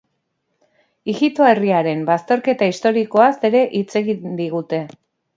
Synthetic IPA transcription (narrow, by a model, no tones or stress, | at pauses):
iɣit̪oeriaɾe̞mbast̪o̞ɾke̞t̪aist̪o̞ɾiko̞ase̞ɾe̞ʔit͡se̞ɣind̪iɣ̞ut̪e̞